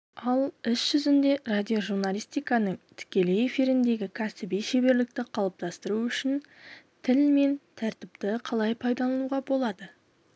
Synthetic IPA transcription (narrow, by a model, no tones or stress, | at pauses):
ɑlˠɪsʒ̥ʏzɪnd̪e̞rad̪ʲijoʒuɾnalʲˠijst̪ijkɑnəɴt̪ʰɪ̥kʲe̞le̞efiɾɪnd̪e̞ɡʲɪkʲʰæsɪbijʃebe̞ɾlɪk̚t̪ɪqʰɑlˠəp̚t̪ɑst̪əɾuʏʃɪn | t̪ʰɪlme̞nt̪ʰæɾt̪ɪpt̪ɪqʰɑlˠɑjpʰɑjd̪ɑlˠɑnuʁɑbo̞lˠɑd̪ə